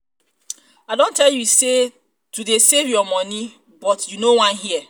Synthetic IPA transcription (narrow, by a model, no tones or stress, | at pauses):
adõntɛljuse | tudesevjɔmɔni | bɔtjunowãnɦiɛ